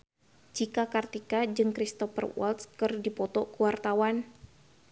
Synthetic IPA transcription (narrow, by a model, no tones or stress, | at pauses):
d͡ʒikakart̪ikad͡ʒɨŋkɾist̪ɔfə̰rwɔ̰lt̪skɨrdipɔt̪ɔkuwart̪awan